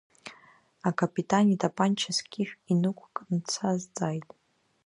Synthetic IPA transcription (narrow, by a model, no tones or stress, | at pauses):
akapʰʼitʼanitʰʼapʼant͡ʃʰaskʲiħʲᶣinɨkʷʰʼkʼnt͡sʰazt͡sʼajtʼ